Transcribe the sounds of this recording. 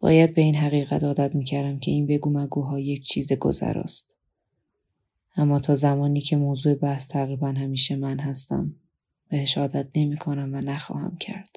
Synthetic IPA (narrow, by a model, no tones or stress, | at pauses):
b̥ɒ̰ːjæd̪̚be̞iːnɦæɣiːɣæ̰t̪ɒːd̪æt̪miːcʰæɾd̪æmcʲʰe̞iːnbe̞ɡuːmæɡuːɦɒːjecʰt͡ʃʰiːzeɡo̞̰zæ̰ɾɒ̰st̪ | ʔæmːɒːt̪ʰɒːzæmɒːniːcʰe̞moːzuːe̞bæhst̪ʰæɣɾiːbænhæmiːʃemænɦæst̪æ̰m | b̥eheʃɒːd̪æt̪̚ʰne̞miːkʰo̞næmvænæxɒ̰ːhæ̰mcʰæ̰ɾd̪̥